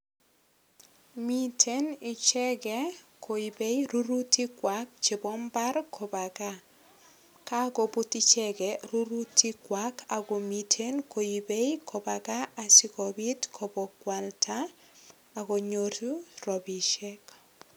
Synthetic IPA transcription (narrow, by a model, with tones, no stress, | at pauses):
mi˦tʰe˦nɪ˨t͡ʃɛ˦ɡɛ˨˦kʰo˨i˨be˦iɾu˦ɾu˦ti˦kwa˨k̚t͡ʃɪ˨bɔ˦mba˦rkʰɔ˨ba˨ɡa˦ | ka˦ɡo˨bu˦ti˦t͡ʃɛ˦ɡɛ˨ɾu˦ɾu˦tʰi˦kwa˨˦ka˨ɡo˨mi˨tʰe˦nkʰo˨i˨be˦jkʰɔ˨ba˨ɡa˦a˨sɪ˦kɔ˨bi˦tkʰɔ˨bɔ˨kwa˨ltʰa˦ | a˨ɡo˨ɲo˨tu˦rɔ˨bi˨ʃɛ˦k